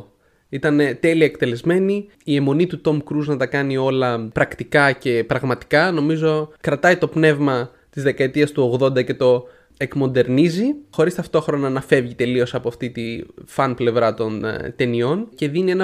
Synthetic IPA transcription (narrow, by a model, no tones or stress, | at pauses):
it̪ɐnt̪e̞liɐekt̪e̞le̞zme̞ni | ie̞mo̞nit̪ut̪o̞mkɾuznɐt̪ɐkɐnio̞lɐpɾɐkt̪ikɐce̞pɾɐɣmɐt̪i̥kɐno̞mizo̞kɾɐt̪ɐit̪o̞pne̞vmɐ | t̪izðe̞kɐe̞t̪iɐst̪uo̞ɣðo̞nd̪ɐce̞t̪o̞ | e̞kmo̞nd̪e̞ɾnizixo̞ɾist̪ɐft̪o̞xɾo̞nɐnɐfe̞vʝit̪e̞lio̞sɐpoɐft̪it̪ifɐnple̞vɾɐt̪o̞nt̪e̞nio̞nce̞ðinie̞nɐ